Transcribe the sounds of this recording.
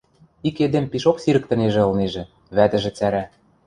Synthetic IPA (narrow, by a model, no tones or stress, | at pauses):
iked̪empiʃoksiɾə̆k̚t̪ɤ̆neʒĕɤ̆lneʒĕ | βæt̪ɘ̆ʒĕt͡sæɾæ